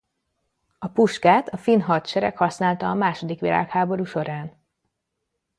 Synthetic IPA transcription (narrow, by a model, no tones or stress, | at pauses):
ɒpuʃkaːt̪ɒfinɦɒt̪ʃɛɾɛ̰khɒsnaːlt̪ɒːmaːʃo̞d̪ikʋila̰ːkhaːbo̞ɾuːʃo̞ɾaːn